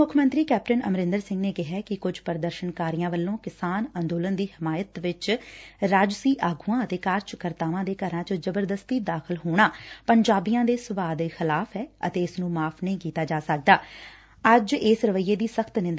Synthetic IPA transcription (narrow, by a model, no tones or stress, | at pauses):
mʊkʰmə̃nt̪ɾiːkɛːp̚ʈənə̰mɾɪ̃nd̪əɾsɪ̃ŋɡneːkɪɦɛːkɪkʊd͡ʒpəɾd̪əɾʃənkaːɾijãːʋəlːõːkɪsaːnə̃nd̪oːlənd̪iːhɪmaːjət̪ʋɪt͡ʃɾaːd͡ʒsiːʔaːɡuːãːət̪eːkaːɾt͡ʃkəɾt̪aːʋãːd̪eːkəɾãːt͡ʃəd͡ʒəbəɾd̪əst̪iːd̪aːxʰɪlɦoːɽ̃aːpəɲd͡ʒaːbiːjãːd̪eːsəʋaːd̪eːxɪlaːfʰɛːə̰t̪eːɪsnũːmaːpʰnĩːkiːt̪aːd͡ʒaːsək̚d̪aː | əd͡ʒɪsɾəʋəijːeːd̪iːsəkʰt̪nɪ̃nd̪